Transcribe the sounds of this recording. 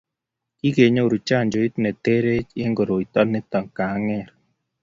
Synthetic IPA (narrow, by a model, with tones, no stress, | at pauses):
ki˦ɡe˨ɲo˦˨ɾu˨t͡ʃa˦˨ɲd͡ʒo˨i˦tnɛ˨te˦ɾe˦t͡ʃe˦ŋɡo˨ɾo˨i˨tɔ˦lnɛ˦tɔ˨ŋka˨˦ŋɛ˦˨ɾ